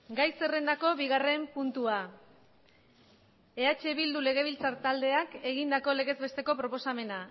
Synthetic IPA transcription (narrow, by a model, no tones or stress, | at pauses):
ɡajse̞re̞nd̪ako̞βiɣ̞are̞mpunt̪ua | e̞at͡ʃe̞βild̪ule̞ɣ̞e̞βilt͡saɾt̪ald̪e̞ake̞ɣind̪ako̞le̞ɣe̞zβe̞st̪e̞ko̞pɾo̞po̞same̞na